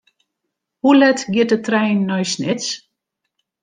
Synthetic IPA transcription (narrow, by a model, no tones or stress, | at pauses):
hulɛtɡjɪt̚ətrɛjnːɔjsnɪt͡s